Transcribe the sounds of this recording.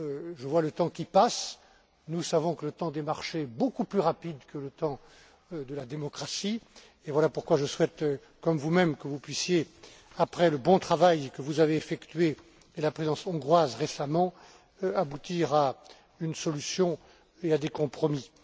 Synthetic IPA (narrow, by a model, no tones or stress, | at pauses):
ʒəvwalət̪ɑ̃kʲipas | nusavɔ̃kələt̪ɑ̃d̪emaʁʃeɛbokuplyʁapid̪kələt̪ɑ̃ | d̪əlad̪emɔkχasi | evwalapuʁkwaʒəswɛt̪ | kɔmvumɛmkəvupɥisje | apχɛləbɔ̃t̪χavajkəvuzaveːfɛkt̪ɥe | ɛlapχezɑ̃sɔ̃ɡʁwazʁesamɑ̃ | abut̪iʁa | ynsɔlysjɔ̃ | ead̪ekɔ̃pχɔmi